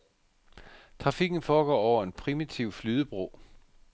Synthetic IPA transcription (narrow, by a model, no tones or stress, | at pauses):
t͡sʰʁɑ̈fiɡ̥n̩fɒːɡ̥ɒ̰ːɒʊ̰ɐe̝npʰʁimit͡sʰiʊflyːðˠəb̥ʁo̰ː